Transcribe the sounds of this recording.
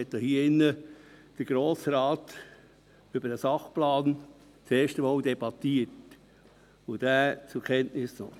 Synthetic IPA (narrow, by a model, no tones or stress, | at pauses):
ɛtdɑhiːɪnːəd̥əɾɡ̥ɾoːsɾɑːt | ʏbədəsɑχplɑːn | t͡seːʃtəmɑːldɛbɑtiət | ʊd̥æːt͡sʊkʰɛntnɪsnɔ